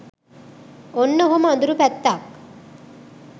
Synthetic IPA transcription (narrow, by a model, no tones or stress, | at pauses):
onːəɦomand̪uɾupæt̪ːaːk